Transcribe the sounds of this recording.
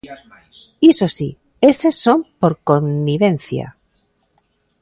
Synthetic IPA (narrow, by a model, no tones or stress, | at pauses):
iso̞si | e̞sesːo̞mpo̞ɾko̞nːiβe̞n̟θja̰